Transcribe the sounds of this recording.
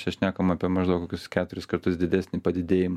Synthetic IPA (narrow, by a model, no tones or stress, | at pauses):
t͡ʃʲɛʃʲnʲæːkɐmɑːpʲiɛmɐʒd̪ɐʊkoːkʲʊskʲæːt̪ʊɾʲɪskɐrt̪ʊsd̪ʲɪd̪ʲæːsʲnʲɪpɐd̪ʲɪd̪ʲeːjɪmɐ